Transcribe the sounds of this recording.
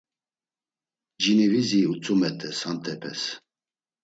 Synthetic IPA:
d͡ʒiniviziut͡sʼumɛt̪ʰʼɛsant̪ʰʼɛpʰɛ̰s

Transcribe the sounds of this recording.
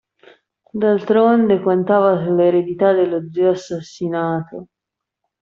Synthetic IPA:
d̪alt̪ɾond̪ekant̪aːvasulːeeɾed̪it̪ad̪elːod̪zioasːasːinaːt̪o

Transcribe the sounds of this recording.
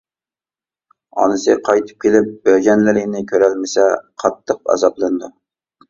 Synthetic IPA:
ɑ̰nɨsɨqʰɑjt̪ʰɨ̥p̚kʲʰelɪp̚bæɾɡʲɛnlɪɾɪnɪkʲʰøɾælmɪsɛqʰɑt̪ʰːəq̚ɑ̰zɑplˠɨnɨd̪u

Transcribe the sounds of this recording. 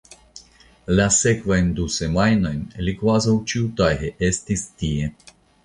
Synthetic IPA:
lʲasɛkvajnd̪usemajnajnlikwazowt͡ʃiwt̪ajɦɛʔest̪ist̪ie

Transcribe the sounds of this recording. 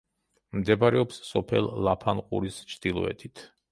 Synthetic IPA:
md̪ɛbaɾɛɔpsːɔpʰɛlˠːapʰanqʼṵɾist͡ʃʰd̪̥ilˠɔ̰ɛ̰t̪ʰit̪ʰ

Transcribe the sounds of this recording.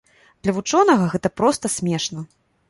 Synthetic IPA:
d̪lʲɐvut͡ʂɔnɐɣɐɣɛt̪ɐpɾɔst̪ɐsʲmʲɛʂnɐ

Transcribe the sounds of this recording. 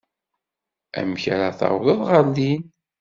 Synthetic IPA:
æ̰mçɾaθɑ̰ʁləðˤʁəlːin

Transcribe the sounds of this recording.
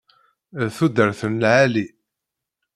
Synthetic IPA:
θud̪əɾθənlʕæli

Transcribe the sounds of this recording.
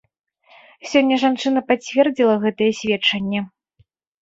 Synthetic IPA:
sʲɔnʲːɐʐant͡ʂɨn̪ɐpat͡sʲvʲɛrd͡zʲilˠɐɣɛt̪ɐjɛsʲvʲɛt͡ʂɐnʲːɛ

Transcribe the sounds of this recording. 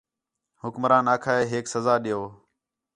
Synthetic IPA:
hʊkmɾaːnaːkʰaːeːɦeːksəzaːɗɪjoː

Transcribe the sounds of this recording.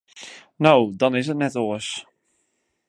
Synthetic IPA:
nowdɔnɪsət̚nɛtoəs

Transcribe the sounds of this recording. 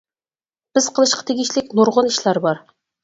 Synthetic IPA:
b̥ɪz̥qʰəlˠɨʃqʰɑ̥t̪ʰeɡʲiʃlɪkʲnoɾʁʊniʃlˠɑɾbɑɾ

